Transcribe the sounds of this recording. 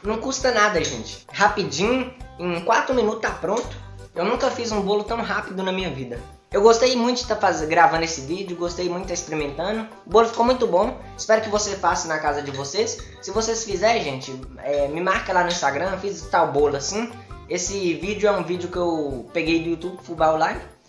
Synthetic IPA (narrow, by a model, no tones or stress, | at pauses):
nɐ̃w̃kust̪ɐnad̪ɐʒẽt͡ʃɪ̥hapid͡ʒĩɲʊẽj̃kwat̪ɾʊmĩnut̪t̪apɾõnt̪ʊ̥ | ewnũkɐfizũbolʊt̪ɐ̃w̃ɦapid̪ʊnɐmĩɲɐvid̪ɐ | ewɡost̪ejmũj̃t̪ʊd͡ʒɪt̪afazẽɡɾavɐ̃nd̪ʊesɪvid͡ʒɪʊɡost̪ejmũt̪ʊt̪aispeɾimẽnt̪ɐ̃d̪ʊ | ʊbolʊfi̥komũj̃t̪ʊbõ | ɪspɛɾʊkɪvosefasɪnɐkazɐd͡ʒɪvosesː | ɪvosesfizɛɾʒẽt͡ʃɪɛmɪmaɾkɐlanʊĩst̪aɡɾɐ̃fizt̪awbolʊasĩesɪvid͡ʒɪʊɛũvid͡ʒɪʊkɪewpeɡejd̪ʊjut̪ubfubawlaj